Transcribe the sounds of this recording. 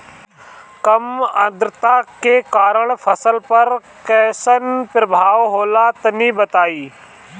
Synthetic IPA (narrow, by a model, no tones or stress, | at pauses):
kɐmə̃d̪ɾət̪akekaːɾəɽ̃fʰɐsəlpɐɾ | kɛːsənpɾəbʱaːʋɦoːlat̪ɐnibɐt̪aːiː